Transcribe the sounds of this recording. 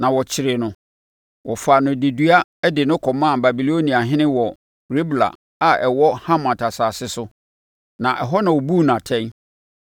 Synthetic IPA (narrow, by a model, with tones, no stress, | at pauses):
nã˨wɔ˨t͡ɕʰɪ˨ɾɪ˨nʊ̃˦ | wʔɔ˨fa˨nʊ̃˨de˨du˦a˦ɛ˦dɪ˨nʊ̃˦kʰɔ˨mã˦˨ba˨bi˨lo˦nĩ˨a˨ɦɪ̃˦nɪ̃˦wɔ˨ | ɾe˦bla̰˨ | a˨ɛ˨wɔ˦hã˦mã˨tʰa˨saː˨sɪ˦sʊ˦ | nã˨ʔɛ˨ɦɔ˦nã˨wo˨bu˦˨nã˨tʰɛ̃˦n